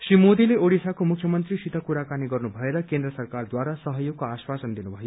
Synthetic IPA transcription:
srimod̪ileoɽisakomukʰjʌmʌnt̪risit̪ʰʌkuɾakaniɡʌrnubʱʌeɾʌkend̪rʌsʌrkard̪waɾasʌɦʌjoɡ̚koaswasʌnd̪inubʱʌjo

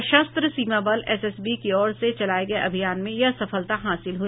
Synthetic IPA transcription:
ʃɐst̪ɾəsiːmabɐlɛːsɛsbikiɔːɾset͡ʃɐlaːeɡɐeʔɐbʱijaːnmẽjɐsɐfəlt̪aɦaːsɪlɦui

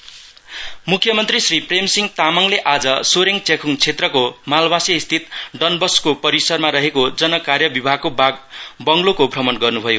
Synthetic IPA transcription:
mukʰjʌmʌnt̪risripremsiŋt̪amaŋleʔad͡zʌsoɾeŋt͡sʰekʰuŋt͡sʰet̪rʌkomalbasiist̪ʰit̪̚ɖʌnbʌskopʌɾisʌrmaɾʌɦekod͡zʌnʌkarjʌbibʱaɡ̚kobaɡbʌŋlokobʱrʌmʌnɡʌrnubʱʌjo

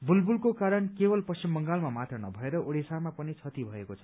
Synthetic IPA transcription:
bulbulkokaɾʌnkebʌlpʌst͡simːʌŋɡalmamat̪ʌnʌbʱʌeɾʌʔoɽisamapʌnit͡sʰʌt̪ibʱʌekot͡sʰʌ̥

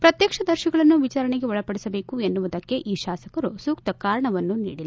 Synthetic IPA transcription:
pɾɐt̪jɐkʂɐd̪ɐɾʃɐɡɐɭɐnːuʋit͡ʃaːɾɐɳeɡe̞ɔɭɐpɐɽisɐbe̞ːkue̞nːuʋud̪ɐkːe̞ʔiːʃaːsɐkɐɾusuːkt̪ɐkaːɾɐɳɐʋɐnːunḭːɽilː

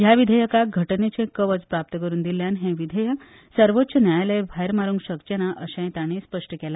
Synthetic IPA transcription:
jaʋid̪ʱəjəkaɡʱəʈnet͡ɕẽkəʋəd͡zpɾap̚t̪əkəɾuːnd̪iljãnɦẽʋid̪ʱəjə | səɾʋot̪ːt͡ɕʰənjajlebʱajɾmaɾuːŋɡɕəkt͡ɕeɽ̃aʔəɕãj̃t̪aɽ̃espəʂʈəkɛla

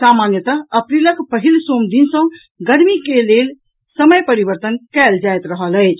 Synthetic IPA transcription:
samanjət̪aəpɾiləkpəɦilsomd̪insə̃ | ɡəɽmikelel | səməjpəɾibəɾt̪ənkɛld͡ʒajt̪ɾəɦələjt͡ʃʰ

